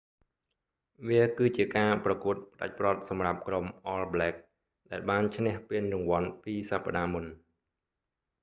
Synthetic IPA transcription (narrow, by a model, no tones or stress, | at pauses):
ʋiəkɨːt͡ɕiəkaːprɑkuət̪̚pəɗa̰c̚prŏət̪̚sɑmrap̚kromʔɔːlblɛːk̚ | ɗaɛlɓaːnt͡ɕʰnɛ̆əhpiənrʊŋʋŏənpiːsapːa̰ɗaːmun